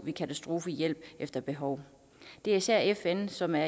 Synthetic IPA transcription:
ʋikʰæt͡sʰæsd̥ʁo̝ːfəjel̰b̥ʔefd̥ɐb̥e̝ɦɒ̽ʊ | d̥e̝æɐisæɐ̰efensɒ̽mæɐ

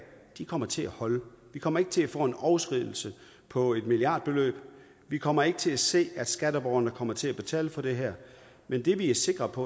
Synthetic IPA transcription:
d̥ikʰɒ̽m̰ɐt͡sʰe̝læhɒ̽lə | ʋikʰɒ̽m̰ɐe̝ɡ̥ə̥t͡sʰe̝læfɔ̰ːe̝nɒʊsɡ̥ʁiðˠl̩sə | pʰɒ̽e̝d̥miliɑ̰̈ːd̥̚b̥e̝lø̰ːb̥ | ʋikʰɒ̽m̰ɐe̝ɡ̥ət͡sʰe̝læse̝̰ːæd̥sɡ̥æɾ̥əb̥ɒʊɐnəkʰɒ̽m̰ɐt͡sʰe̝læb̥e̝t͡sʰɛ̰ːləfɒ̽d̥e̝ɦæɐ̰ | mend̥e̝ʋiæɐse̝ɡ̥ʁɐpʰɒ̽

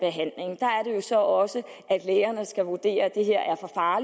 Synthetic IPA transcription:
b̥e̝ɦæn̰le̝ŋd̥ɑ̈æɐɾe̝jo̝sɒ̽ʔɒ̽sə | æd̥leːɐnəsɡ̥æʋuɐd̥e̝̰ːɐd̥e̝ɦe̝ɐ̰ʔæɐfɒ̽fɑ̈ːl

